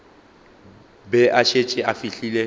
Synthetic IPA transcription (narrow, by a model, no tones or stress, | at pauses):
bɛʔaʃet͡ʃʼɪʔafiɬiːle